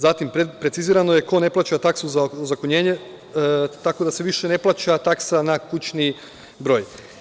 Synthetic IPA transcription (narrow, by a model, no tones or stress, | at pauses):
zat̪impɾetsiziːɾano̞je̞ko̞ne̞plˠaːt͡ɕat̪aksuzazakoɲe̞ːɲe̞ | t̪ako̞d̪ase̞ʋiʃe̞ne̞plˠaːt͡ɕat̪aksanakut͡ɕni | bɾo̞j